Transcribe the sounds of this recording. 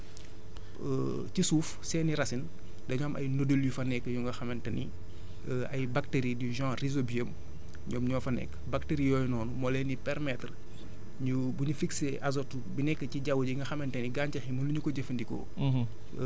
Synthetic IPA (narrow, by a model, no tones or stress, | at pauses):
cisuːfsɛniɾɐsin | dɐɲɔːmʔɐ̰jnodoljufɐnɛkːəjuŋɡɐxɐmɐntɐnḭ | ɐ̰jbɐkteɾidiʒãːrizobiəm | ɲɔːmɲɔːfɐnɛ̰kːbɐk̚teɾijɔːjnɔːnumɔlɛnipɛɾmɛtr | ɲu | buɲufikseʔazɔtubinɛkːəciɟawuɟiŋɡɐxɐmɐntɐniɡaːncɐximɐluɲukɔɟefɐndikɔ̰